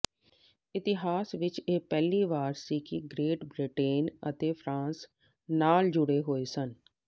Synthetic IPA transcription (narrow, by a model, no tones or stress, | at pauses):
ɪt̪ɪɦaːsʋɪt͡ʃeːpɛːliːʋaːɾsiːkiɡɾeːʈbɾɪʈeːnə̰t̪eːpʰɾãːns | naːld͡ʒʊɽeːɦoːeːsən